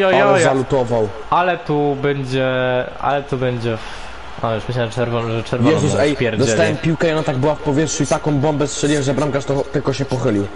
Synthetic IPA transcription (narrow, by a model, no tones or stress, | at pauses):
jɔjɔjzalut̪ɔvaw | ʔalɛt̪ubɛɲd͡ʑɛʔa̰lɛt̪ubɛɲd͡ʑɛf | avʲɛʂmɘɕ̬lɛʐt͡ʂɛɾvɔnʐɛt͡ʂɛɾvjɛzusɛjpʲjɛɾd̪ɔsɛt̪awɛmpʲiwkɛiɔnat̪aɡ̚bɘwafpɔvʲjɛt̪ʂuit̪akɔ̃w̃bɔmbɛst̪ʂɛlʲiwɛmzɛbɾamkaʂt̪ɔt̪ɘlkɔɕɛpɔxɘlʲiw